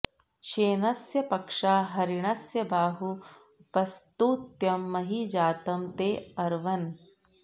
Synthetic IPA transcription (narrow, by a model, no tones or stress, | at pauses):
ʃeːnɐsjɐpɐkʂaːɦɐɾiɳɐsjɐbaːɦu | pɐst̪uːt̪jɐmːɐɦid͡ʒaːt̪ɐmt̪eːɐɾʋɐn